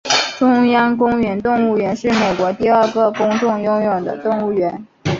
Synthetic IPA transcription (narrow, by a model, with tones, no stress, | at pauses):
ʈ͡ʂʊ˥ŋjɑ˥ŋk̬ʊ˥ŋɥɛ˧˥nt̪ʊ˥˧ŋu˥˩ɥɛ˧˥nʂɻ̩˥˩me˨˩ɪkwɔ˧˥t̪i˥˧ə˞˥˧ɡɤ˥˩kʊ˥ŋʈ͡ʂʊ˥˩ŋjʊ˥ŋjʊ˨˩ŋd̪ə̰˦t̪ʊ˥˧ŋu˥˩ɥɛ˧˥n